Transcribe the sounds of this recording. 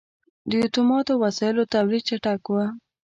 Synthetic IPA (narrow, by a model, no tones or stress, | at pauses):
d̪əjut̪umɑt̪awasɑjɪlot̪awlid̪̚t͡ʃaʈakwa